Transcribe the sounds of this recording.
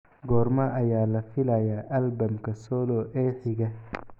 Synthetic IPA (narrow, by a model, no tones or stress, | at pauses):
ɡɔːrmɐʔɐjaːlɐfɪlɐjaːʔɐlbɐmkʰɐsɔːlɔːʔɛːħɪɡɐ